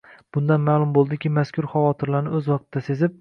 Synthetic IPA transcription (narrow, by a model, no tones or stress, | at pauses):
b̥ʊnd̪anmalˠʊmbolˠd̪ɪkʲɪmaskʰʲʊɾχavɒt̪ʰɪɾlaɾnɪɵzwɒq̚t̪ʰɪd̪ase̞zɪp̚